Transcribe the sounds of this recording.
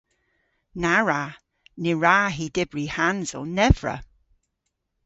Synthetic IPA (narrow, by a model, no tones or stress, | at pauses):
naɹa | nɪɹaːɦiːdɪbɹihanzʊ̰lˠnɛvɹə̰